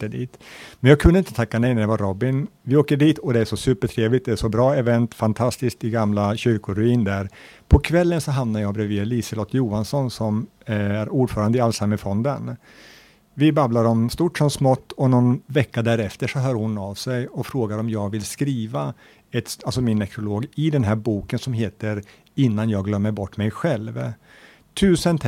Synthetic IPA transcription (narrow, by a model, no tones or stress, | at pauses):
d̪ḭːt̪mɛnjɑːɡ̚kʰɵnːəɪnt̪ət̪ʰakːanɛjnæɖɛvaɾɔbɪnvɪoːkəɖiːt̪ɔd̪ɛæʂɔsʉ̟ːpəʈʰɾeːvlɪkt̪̚d̪ɛæʂɔbɾɑːɛvɛnt̪fant̪ʰast̪ɪsk̚t̪ɪɡamlaɕʏɾkʊɾɵiːnd̪æɾ | pʰɔkʰvɛlːənsɔɦamnaɾjɑːɡbɾɛviːliːsəlɔt̪ʰjuːansɔnsɔm | æɾuːɖfœːɾand̪əɪalsamːəfɔnd̪ən | vɪbablaɾɔmst̪uːʈʂɔmsmɔt̪ːɔnɔnvɛkːad̪æːɾɛft̪əʂɔɦœːɾhʊnavsɛjɔfɾoːɡaɾɔmjɑːɡvɪlskɾiːva | ɛt̪alsɔmɪnːɛkʰɾʊloːɡɪd̪ɛnɦæːɾbuːkənsɔmɦeːt̪əɾ | ɪnːanjɑːɡlœmːəɾbɔʈːmɛjɧɛlv | t̪ʰʉ̟ːsənt̪ʰ